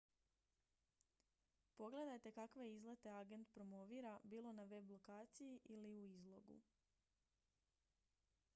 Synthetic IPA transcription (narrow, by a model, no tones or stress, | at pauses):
po̞ɡle̞d̪ajt̪e̞kakʋeizlˠet̪e̞aɡe̞nt̪pɾo̞mo̞ʋiːɾabiːlˠo̞naʋe̞blˠo̞kaːt̪sijiʔiliuizlˠo̞̰ɡṵ